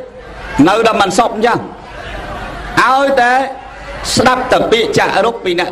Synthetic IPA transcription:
nɨwɗɔmɨnsop̚n̩t͡ɕah | ʔaɔjt̪aɛ | sɗap̚t̪aəpiəʔt͡ɕa̰ːʔɾupːiːnɛ̆əʔ

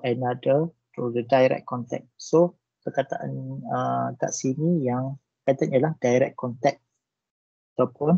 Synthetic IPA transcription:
ɛnadət̪udədajɾɛ̰k̚kːɔnt̪ɛ̰k̚so | kəkat̪aʔa̰nəka̰ʔsinijaŋ | kat̪anjəlahdajɾɛ̰kkʰːɔnt̪ɛk̚ | at̪awpʊn

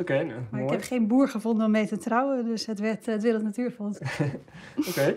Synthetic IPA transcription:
okemaɪkhɛpχeːnbuəɹχəfonˠdənomejtətrawədøsətʋɛtətʋɪlətnatyːɹfɔlˠt | oke

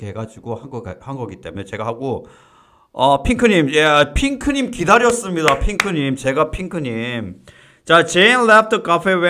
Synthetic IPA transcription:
keɡad͡ʑiɡohanɡʌa̰hanɡʌɡit͈e̞munet͡ɕe̞ɡaɦaɡo | ʌpʰiŋkʰɯɲimjepʰiŋkʰɯɲimkidaɾjʌs͈ɯmɲidapʰiŋkʰɯɲimt͡ɕe̞ɡapʰiŋkʰɯɲim | t͡ɕat͡ɕenlɛf̚təkafewe

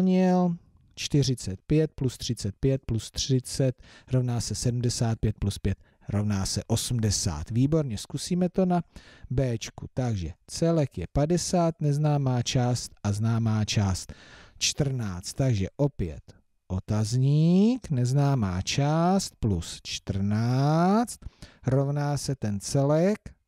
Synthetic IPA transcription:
ɲɪl | t͡ʃt̪ɪr̝ɪt͡sɛt̪̚pjɛt̪̚plust̪r̝̥ɪt͡sɛt̪̚pjɛt̪̚plust̪r̥ɪt͡sɛt̪ɾo̞vnaːsɛsɛdm̩dɛsaːt̪̚pjɛt̪̚pluspjɛt̪̚ | ɾovnaːsɛʔo̞sm̩dɛsa̰ːt̪viːbo̞ɾɲɛskusiːmɛt̪o̞nabɛːt͡ʃkut̪aɡʒɛt͡sɛlɛkjɛpadɛsaːt̪nɛznaːmaːt͡ʃaːst̪ʔaznaːmaːt͡ʃaːst̪t͡ʃt̪r̩naːt͡st̪ːaɡʒɛʔo̞pjɛ̰t̪ | ʔo̞t̪azɲiːknɛznaːmaːt͡ʃaːst̪̚plust͡ʃt̪r̩naːt͡st̪ɾo̞vnaːsɛt̪ɛnt͡sɛlɛk

